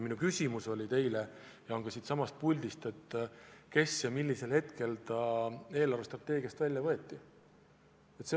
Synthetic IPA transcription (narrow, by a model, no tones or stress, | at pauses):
minukysʲimuso̞lʲit̪e̞jle | jɑo̞ŋɡ̥ɑsiːt̪sɑmɑst̪̚pulʲd̪ist̪e̞t̪ːˑke̞sjɑmilʲːise̞lhe̞t̪ke̞lt̪ɑe̞ːlɑɾrvest̪rɑt̪ːˑe̞ːɡiɑst̪vælʲjɑvɤe̞t̪ːˑi | et̪se